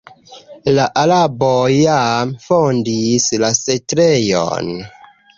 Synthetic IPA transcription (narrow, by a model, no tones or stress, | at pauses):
laʔalabojamfondislasetɾejo̰n